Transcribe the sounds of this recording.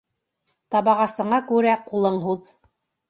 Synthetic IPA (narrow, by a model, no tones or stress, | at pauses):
t̪ɑβɑʁɑsɤ̆ɴɑkʉɾæqulˠɤɴɦuð